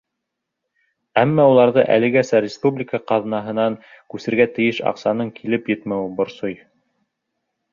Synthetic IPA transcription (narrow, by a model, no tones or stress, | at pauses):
æmːæulˠɑɾðɤ̰ʔæ̰lɘ̆ɡæsæɾʲɪspublʲɪkəqɑðnɑɦɤ̆nɑŋ | kʉsɘ̆ɾɡæt̪ɘ̆jɘʃɑ̰qsɑnɤŋkʰilɘpjɵt̪mæwɘbŏɾsoj